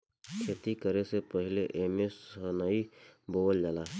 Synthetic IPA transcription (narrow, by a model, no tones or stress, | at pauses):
kʰeːt̪ikəɾesepəɦɪleʔeːmesənaiboːld͡ʒaːlaː